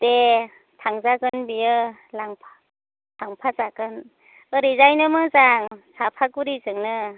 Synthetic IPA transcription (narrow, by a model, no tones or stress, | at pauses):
te | tʰaŋzaɡɯnbijɯlaŋpʰḁ | tʰaŋpʰazaɡɯn | ɯɾizajnɯmɯzaŋsapʰakuɾizɯŋnɯ